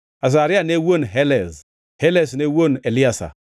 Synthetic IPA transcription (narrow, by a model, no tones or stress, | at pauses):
as̬aɾianewonɦeles | helesnewoneliasa̰